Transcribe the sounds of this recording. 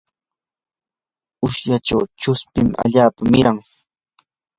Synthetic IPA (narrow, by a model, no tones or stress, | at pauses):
ʊʃjaʈ͡ʂawʈ͡ʂʊspɪma̰ʎaːpamɪɾaŋ